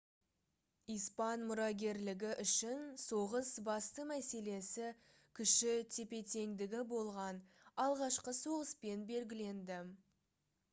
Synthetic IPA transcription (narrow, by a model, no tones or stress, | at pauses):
ijspɑnmʊɾɑɡʲe̞ɾlɪɡʲɪʔʏʃɪnso̞ʁəsbɑst̪əmæse̞le̞sɪ | kʲʰʏʃɪt̪ʰe̞pe̞t̪e̞ŋd̪ɪɡʲɪbo̞lˠʁɑn | ɑlˠʁɑʃqəso̞ʁəspe̞nbe̞lɡʲɪle̞nd̪ɪ